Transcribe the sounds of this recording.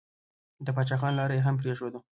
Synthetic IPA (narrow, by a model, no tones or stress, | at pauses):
d̪əpɑt͡ʃɑxɑnlɑɾejeɦamp̬ɾeʃod̪u